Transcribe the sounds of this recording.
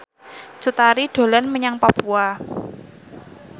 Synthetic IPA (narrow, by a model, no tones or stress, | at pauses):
t͡ʃut̪aɾiɖ̥o̤lanməɲaŋpapua